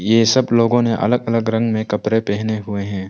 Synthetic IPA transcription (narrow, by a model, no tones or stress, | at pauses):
jeːsɐbloːɡõneʔɐ̰ləɡɐləɡɾɐ̃ŋɡmẽkɐpɾepɛːɦneɦʊeɦɛ̃ː